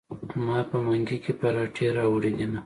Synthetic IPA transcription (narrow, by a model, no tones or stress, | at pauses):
mɑpəmaŋɡikepaɾɑʈʰeɾɑwɽed̪ina